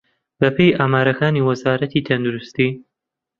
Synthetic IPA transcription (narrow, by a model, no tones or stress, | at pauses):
bɐpʰejʔaːmaːɾɐkʰaːniːwɐzaːɾɐt̪ʰiːt̪ʰɐnd̪uɾust̪iː